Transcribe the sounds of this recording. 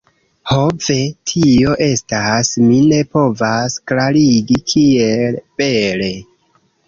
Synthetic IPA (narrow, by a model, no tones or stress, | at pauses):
ho̞ve̞tʰio̞ʔe̞stasmine̞po̞vasklaɾiɡikʰielb̥e̞le̞